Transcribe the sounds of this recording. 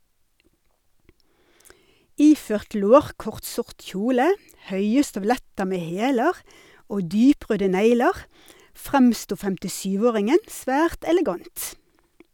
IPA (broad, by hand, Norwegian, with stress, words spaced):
ˈiːføːʁt ˈloːʁkɔʁt ˈsʊʁʈ ˈçuːlə ˈhœʏə stœʋˈlɛtə ˈmeː ˈheːləʁ ˈoː ˈdyːˌpʁøːdə ˈnæɪləʁ ˈfʁɛmstuː fɛmtɪˈʃyːʋ ˈoːʁɪŋən ˈsʋæːʁt ɛlɛˈɡɑnt